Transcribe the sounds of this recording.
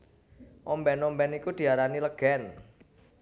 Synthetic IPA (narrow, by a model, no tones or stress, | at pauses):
ʔɔmbɛnɔmbɛnikud̪̥i̤aɾaniləɡ̥ɛn